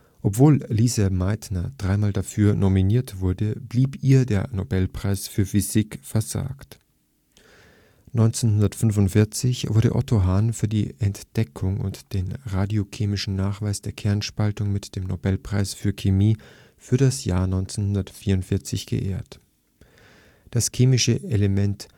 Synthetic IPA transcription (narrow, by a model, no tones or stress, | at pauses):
ʔɔpv̥oːlliːzamaɪtnɐd̥ʁaɪmaːldafyːɐnominiːɐtv̥ʊɐdəbliːpiːɐdeːɐnobɛlpʁ̥aɪsfyːɐfyzikfɛɐza̰ːkt | nɔʏnt͡senhʊndɐtfʏnvʊntfɪɐt͡sɪçv̥ʊɐɾə̰ʔɔ̰tʰoɦaːnfyːɐdḭːʔɛntd̥ɛkʰʊŋʊ̰ntd̥eːnʁaːdjokʰeːmɪʃn̩naːχv̥aɪsd̥eːɐkʰɛɐnʃpaltʊŋmɪtd̥eːmnobɛlpʁ̥aɪsfyːɐkʰemiː | fyːɐɾasja̰ːɐnɔʏnt͡senhʊndɐtfiːɐʊntfɪɐt͡sɪçɡ̥ə̰ʔḛːɐt | d̥askʰeːmɪʃəeləmɛnt